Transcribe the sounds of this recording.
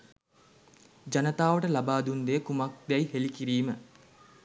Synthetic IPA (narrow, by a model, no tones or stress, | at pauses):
d͡ʒanət̪aːʋəʈəlabaːd̪und̪ejkumak̚d̪ɛjhelikiɾiːmə